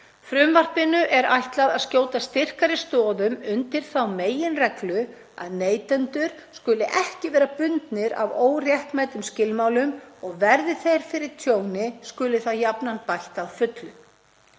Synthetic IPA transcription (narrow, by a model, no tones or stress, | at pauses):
fɾʏmvar̥pɪnʏʔɛɾajht̪laðaðscoːwt̪ast̪ɪr̥kaɾɪst̪ɔːðʏmʏnt̪ɪɾ̥θawmeːjɪnrɛklʏ | a̰ðneːjt̪ɛnt̪ʏɾ̥ | skʏːlɪʔɛhcɪvɛːɾapʏnt̪nɪɾa̰voːwrjɛhkmajt̪ʏmscɪlmaːwlʏmɔɣvɛɾðɪθejɾ̥fɪɾɪɾ̥t̪ʰjoːwnɪskʏːlɪθaðjapnanpajht̪aðfʏt̪lʏ